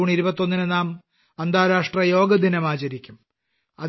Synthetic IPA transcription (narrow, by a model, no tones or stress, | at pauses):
uːɳiɾubɐt̪ːo̞nːinɨnaːm | ɐnd̪aːɾaːʂʈrɐjo̞ːɡɐd̪inɐmaːt͡ɕɐɾikʲːum | ɐ̰